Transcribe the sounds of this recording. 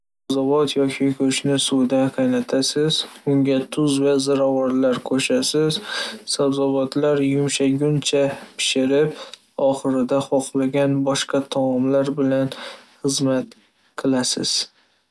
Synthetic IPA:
sazɒbɒt̪ʰjɒkʲʰɪkʰɵt͡ʃnɪsʊd̪aqʰɑjnat̪ʰasɪzʊŋɡʲat̪ʰʊzvazaɾavɒɾlaɾkʰɵʃasɪzsabzɒbɒt̪ʰlaɾjʊmʃaɡʲʊnt͡ʃʰapʰɪ̥ʃɪɾɪp | ɒχɨɾɪd̪aχɒqlˠaɡʲanbɒʃqɑt̪ʰamɒmlaɾbɪlanχɨzmat̪ | qʰɨlˠasɪ̰z̥

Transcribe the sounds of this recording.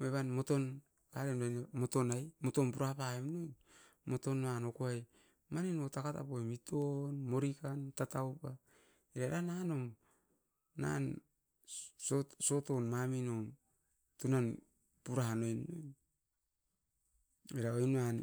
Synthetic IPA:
eβanmo̞to̞n | kaɾenonmo̞to̞najmo̞to̞npuɾahapaemnojn | mo̞to̞nːano̞koaj | maninotakata̰pojmitʰonmo̞ɾikantatawpa | eɾaeɾanano̞m | na̰n | soso̞to̞nmamino̞m | tunan | puɾahanojnːojn | eɾaojnan

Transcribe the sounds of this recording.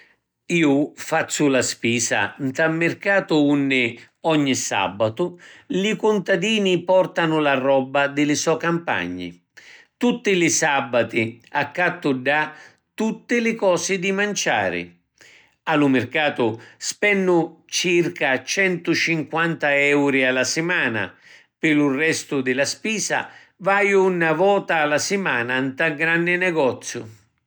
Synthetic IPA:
iːʊfat̪sːʊlaspiːsa̰nt̪amːɪrkaːt̪ʊunːɪ | ɔɲːisa̰bːat̪ʊlɪkʊnt̪ad̪iːnipɔrt̪anʊlarɔbːad̪ɪlɪsɔkampa̰ɲːɪ̰ | t̪ut̪ːɪlɪsabːat̪ɪakːat̪ːʊɖa | t̪ut̪ːɪlɪkɔːsɪd̪ɪmant͡ʃa̰ːɾɪ̰ | alumɪrkaːt̪ʊspɛnːʊt͡ʃirkat͡ʃɛnt̪ʊt͡ʃiŋkwant̪aɛwɾialasɪmaːna̰ | pɪlurːɛst̪ʊd̪ɪlaspiːsa̰ | vajʊunːavɔːt̪aːlasɪmaːnant̪aɡɾanːɪnɛɡɔt̪sːjʊ̰

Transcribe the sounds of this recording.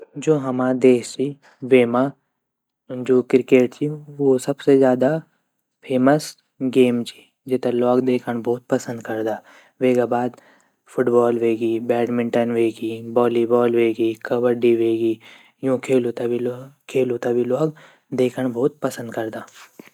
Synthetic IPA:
d͡ʒoːɦɐmad̪eːʃt͡ʃi | ʋeːma | d͡ʒoːkɾɪkeːʈt͡ʃiʋosɐbsezjaːd̪a | pʰeːməs | ɡeːmt͡ʃi̥ | d͡ʒet̪elɔːɡd̪eːkʰəɽ̃bʱɔːt̪̚pɐsə̃nd̪kɐɾd̪aː | ʋeːɡabaːd̪ | pʰʊʈbɔːlʋeːɡibɛːʈmɪ̃ɳʈənʋeːɡiːbɔːlibɔːlʋeːɡiːkɐbəɖiʋeːɡiː | jõːkʰeːlut̪abikʰeːlut̪abʱilɔːɡ | d̪eːkʰəɳ̃bʱɔːt̪̚pɐsə̃nd̪kɐɾd̪aː

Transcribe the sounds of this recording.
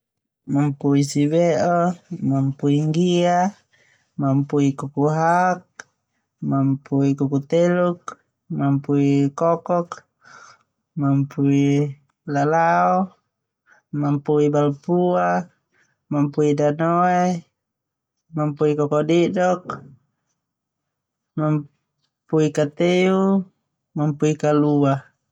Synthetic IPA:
mampuisiβɛʔɔmampuiŋɡia | mampuikukuɦak̚ | mampuikukut̪eluk̚ | mampuikɔkɔk | mampui | lalaɔ | mampuibalpua | mampuidanɔɛ | mampuikɔkɔdidɔk | mam | puikat̪eu | mampuikalua

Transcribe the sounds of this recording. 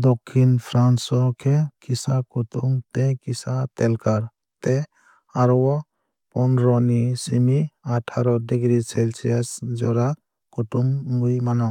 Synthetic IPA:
d̪ɔkʰːinpʰɾansɔkʰɛkisakɔtumt̪ɛkisat̪ɛlkaɾ | t̪ɛ | aɾɔwɔ | pɔnɾɔnisimiaʈʰaɾɔdeɡɾisɛlsiasd͡ʒɔɾa | kɔtumːujmanɔ

